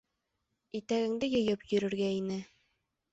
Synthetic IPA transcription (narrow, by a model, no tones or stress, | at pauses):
it̪æɡɘ̆ŋd̪ɘjɤ̆jɤpjɵ̆ɾɵ̆ɾɡæinɘ